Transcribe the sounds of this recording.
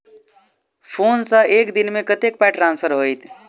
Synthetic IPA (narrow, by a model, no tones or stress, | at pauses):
pʰoːnsə̃eːkd̪inmẽkət̪ek̚paʈɾãːnsfʰəɾɦojt̪